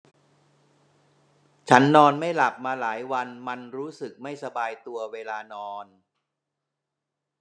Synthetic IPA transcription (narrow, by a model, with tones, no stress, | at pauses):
t͡ɕʰa˦˥nːɔː˧nma˥˩jla˨˩p̚maː˧laː˩˦jwa˧nma˧nɾuː˦˥sɯ˨˩k̚ma˥˩jsa˧baː˧jt̪u˧ɐweː˧laː˧nɔː˧n